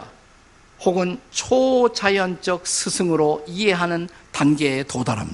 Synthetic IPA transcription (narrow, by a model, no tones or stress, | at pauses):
a | hoɡɯnt͡ɕʰot͡ɕajʌnt͡ɕʌk̚sʰɯsʰɯŋɯɾoiɦe̞ɦanɯntanɡe̞ːtodaɾa̰mi